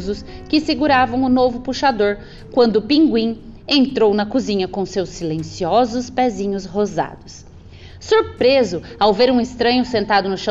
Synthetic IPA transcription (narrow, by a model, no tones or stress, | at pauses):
zʊskɪsɪɡuɾavɐ̃w̃ʊnovʊpuʃad̪oɾ | kwɐ̃nd̪ʊpĩŋɡwĩ | ẽnt̪ɾownɐkuzĩɲɐkõsewsːilẽsiɔzʊspɛzĩɲʊzɦoza̰d̪ʊs | soɾpɾezʊawveɾũɪst̪ɾɐ̃ɲʊsẽnt̪ad̪ʊnʊʃɐ̃